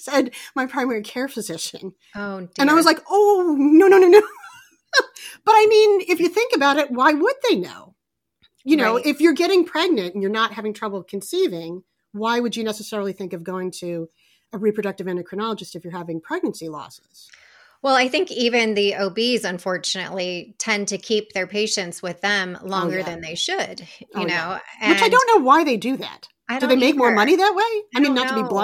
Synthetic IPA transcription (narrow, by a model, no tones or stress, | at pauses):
sɛd̚maɪpʰɹ̥ãɪ̃mɛɹikʰɛɹfʰɨzɪʃɨ̰̃n | oʊɨ̃naɪwʌzlaɪkoʊnoʊnoʊnoʊ̃no | b̥ʌɾaɪmĩnɪfjɨθɪ̃ŋkɨbaʊɾɨt̚waɪwəd̪̚ðeɪno̰ʊ | jɨnoʊʔɪfjə˞ɡɛɾɪ̃ŋpʰɹ̥ɛɡ̚nɨ̃ntn̩jə˞nət̚ɦævɪ̃ŋtʰɹ̥ʌbl̩ˠkʰn̩sivɪ̃ŋ | waɪwɨd͡ʒɨnɛsɨsɛɹl̩ˠiθɪ̃ŋkʌvɡoʊɪ̃ŋtʰʉ | əɹipʰɹ̥ɨɾʌk̚tɨvɛ̃nəkʰɹ̥ɨnɑlˠəd͡ʒɨstɨfjə˞hævɪ̃ŋpʰɹ̥ɛɡ̚nɨ̃nsilɔ̰sɪz̥ | wɛlˠaɪθɪ̃ŋkivɨ̃nðiʔoʊbizɨ̃ɱfɔɹt͡ʃɨnɨ̰ʔˡlitʰɛ̃ntʰɨkʰip̚ðə˞pʰeɪʃɨ̃ntswɪðɨ̃mlɔ̃ŋɡə˞ðɨ̃nðeɪʃɨd̥jɨnoʊɨwɨ̃t͡ʃaɪdõʊ̃nːoʊwaɪðeɪdɨðæ̰t̚ | aɪdɨðeɪmeɪk̚mɔɹmʌñiðɨt̚weɪɪmĩnːətʰːəbi